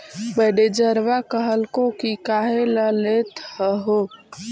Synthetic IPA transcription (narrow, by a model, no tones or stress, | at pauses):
bəɖed͡ʒəɾʋakəɦəlkõkikaɦeləlet̪həɦo